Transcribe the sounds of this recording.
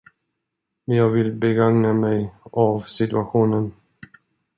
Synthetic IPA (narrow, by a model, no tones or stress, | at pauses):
mɛnjɑːɡvɪlbɛɡaŋnamɛjavsɪt̪ɵaɧuːnən